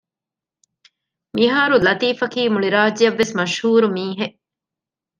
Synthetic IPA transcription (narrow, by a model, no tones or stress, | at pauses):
miɦaːɾulɐt̪iːfɐkiːmuɭiɾaːd͡ʒijɐʋːesmɐʃhuːɾumiːɦe